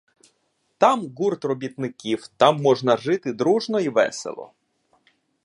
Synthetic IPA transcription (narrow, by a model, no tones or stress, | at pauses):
t̪ɑmɣurt̪rɔbʲit̪nɪkʲiwt̪ɑmːɔʒnɐʒɪt̪ɪd̪ɾuʒnɔiʋɛ̰sḛlˠɔ̰